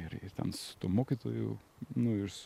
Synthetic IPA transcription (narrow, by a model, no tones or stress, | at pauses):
ɪɾɪ̰ɾt̪ʲɛ̰nsʊ̥t̪uɔmoːkʲit̪o̰ːjʊ̰ | nʊɪɾs